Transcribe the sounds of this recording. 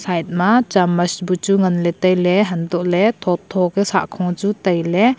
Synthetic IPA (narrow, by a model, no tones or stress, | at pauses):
sajt̚mat͡ʃamɐsbut͡ʃuŋɐnlɛtəjleɦandɔʔlet̪ʰɔt̪ʰːɔkesa̰ʔkʰɔŋd͡ʒutɐjle